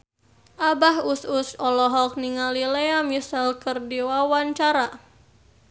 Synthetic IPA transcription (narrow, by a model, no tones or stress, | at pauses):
ʔabaɦususɔlɔɦɔk̚niŋalileamisalkɨrdiwawaɲt͡ʃaɾa